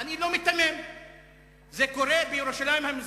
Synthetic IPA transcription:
anilo̞mit̪ːamem | zekoɾebejeɾuʃalajimhamiz

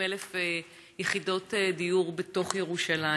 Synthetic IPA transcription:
elefe | jeχido̞tedijuʁbeto̞χjeʁuʃala

